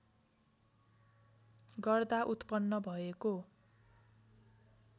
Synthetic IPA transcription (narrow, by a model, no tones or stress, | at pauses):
ɡʌrd̪aʔut̪pʌnːʌbʱʌeko